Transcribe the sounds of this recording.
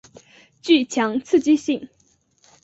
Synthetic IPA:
t͡ɕy˥˨ʔt͡ɕʰa˩˨ŋt͡sʰɨ˥˨t͡ɕi˥˨ɕi˥˨ŋ

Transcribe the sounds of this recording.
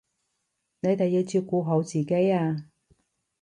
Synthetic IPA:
ne˨˧jt̪e˨jiː˧wt͡syː˧kːuː˨˧ɦo˨˥wt͡siː˨˩ke˨˥jaː˧

